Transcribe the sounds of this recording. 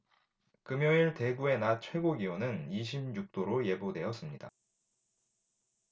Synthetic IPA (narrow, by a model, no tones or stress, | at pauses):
kɯmjʌŋiɭte̞ɡue̞nat͡ɕʰwe̞ɡoɡionɯniɕ̬ʰimjuk̚t͈oɾoje̞bodwe̞ʌs͈ɯmɲida̰